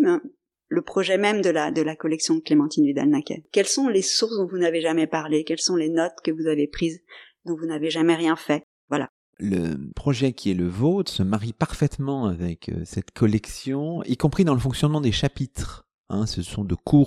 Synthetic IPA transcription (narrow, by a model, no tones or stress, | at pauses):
mɛ̃ | ləpχɔʒɛmɛmd̪əlad̪əlakɔlɛksjɔ̃d̪əklemɑ̃t̪ined̪a̰lnakʲɛ̰kʲɛlsɔ̃lesuʁsd̪ɔ̃vunaveʒamɛpaʁlekʲɛlsɔ̃lenɔt̪kəvuzavepχiz | d̪ɔ̃vunaveʒamɛʁjɛ̃fɛ | vwala̰ | lə̰pχɔʒɛkʲʰiɛləvot̪χsəmaʁipaʁfɛt̪mɑ̃avɛkʰø̰sɛt̪kʰɔlɛksjɔ̃ikɔ̃pχid̪ɑ̃ləfɔ̃ŋksjɔnmɑ̃d̪eʃapit̪χ | ɛ̃səsɔ̃d̪əkʰuːʁ